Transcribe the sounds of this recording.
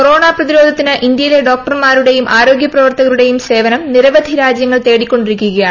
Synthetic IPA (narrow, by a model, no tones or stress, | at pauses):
koɾo̞ːɳaːprɐðiɾo̞ːd̪ʱɐt̪ːinɨʔind̪jɐjile̞ɖo̞ːkkʈɐrmaːɾuɽe̞jumʔaːɾo̞ːɡjɐprɐʋɐrt̪ɐɣɐɾuɽe̞jumse̞ːʋɐnɐmniɾɐʋɐd̪ʱiɾaːd͡ʑjɐŋːɐɭt̪e̞ːɽikʲːo̞ɳɖiɾikʲːuɣɐjaːɳ